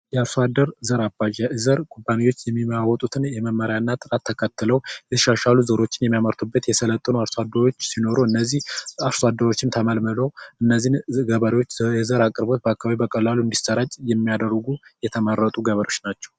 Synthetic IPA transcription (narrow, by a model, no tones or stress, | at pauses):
jɛaɾsad̪ːəɾzəɾabaʒazəɾkʼubːaniwo̞t͡ʃːjɛmːiməawɔt̪ʼut̪ʰɨnjɛməmːəɾjanːat̪ʼɨɾat̪ʰːəkʰət̪ːɨləwjɛt̪ʰə̥ʃaʃaluzəɾo̞t͡ʃːɪnjɛmːijaməɾt̪ʰubːət̪jɛsələt̪ʼːənuaɾsoad̪ːəɾo̞t͡ʃːsino̞ɾoɨnːəzːihaɾsad̪ːəɾo̞t͡ʃːɪnt̪ʰəməlməlo̞ʔɨnːəzːinɡəβəɾiwo̞t͡ʃːjɛzəɾakʼɾbot̪̚bəakːaβaβibəkʼəlːaluɨnd̪isəɾat͡ʃʼjɛmːijad̪ərɡujɛt̪ʰəməɾːət̪ʼuɡəβəɾijo̞t͡ʃːnat͡ʃːɛ̥w